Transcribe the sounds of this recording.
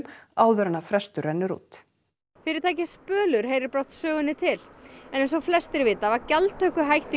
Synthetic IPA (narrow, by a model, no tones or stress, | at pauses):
maːwðʏɾanafɾɛst̪ʏɾɛnːʏɾṵːt̪ | fɪɾɪɾ̥t̪ʰaːjc̬ɪ̥spœːlʏɾ̥ɦeːjɾɪɾpɾawht̪sœːɣʏnɪt̪ʰɪlɛnejns̬ɔflɛst̪ɪɾvɪːt̪avacalt̪ʰœhkʏɦajht̪i